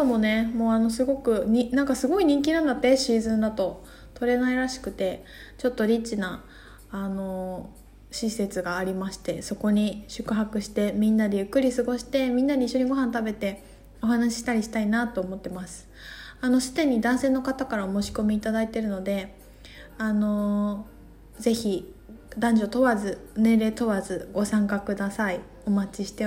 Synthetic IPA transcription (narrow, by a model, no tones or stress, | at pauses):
t̪omone̞mo̞ːano̞sɨɡo̞kɯ̟ɲinãŋkasɨɡo̞iɲ̟ĩŋk̬ʲinãnd̪at̪ːe̞ɕiːzɨ̃nd̪at̪o̞ | t̪o̞ɾe̞naiɾaɕi̥kɯ̟t̪e̞ | t͡ɕo̞t̪ːo̞ɾʲit͡ɕːina | ano̞ | ɕise̞t͡sɨɡaːɾʲimaɕi̥t̪e̞so̞ko̞ɲ̟iɕɨ̥kɯ̟ɦakɯ̟ɕi̥t̪e̞mʲĩnːad̪e̞jɯ̟kːɯ̟ɾʲisɨɡo̞ɕi̥t̪e̞mʲĩnːaɲʲeiɕːoɲ̟iɡo̞ɦãnt̪abe̞t̪e̞ | o̞ɦanaɕ̬i̥ɕi̥t̪aɾʲiɕi̥t̪ainat̪o̞ːmo̞t̪ːe̞masɨ̥ | ano̞ɕi̥t̪ẽ̞ɲ̟ːid̪ãɰ̃se̞ːno̞kat̪akaɾaomo̞ːɕi̥ko̞mʲiːt̪ad̪ait̪e̞ɾɯ̟no̞d̪e̞ | ano̞ | ze̞çi | d̪ãɲ̟d͡ʑo̞t̪o̞βazɨnẽ̞ːɾe̞ːt̪o̞βazɨɡo̞sãŋkakɯ̟d̪asai | o̞mat͡ɕiɕi̥t̪e̞